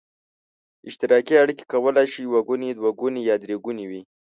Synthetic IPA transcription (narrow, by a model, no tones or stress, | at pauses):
ɪʃt̪ɪɾɑkiaɽike̥kawəlajʃijwaɡuned̪waɡunejɑd̪ɾeɡuniwi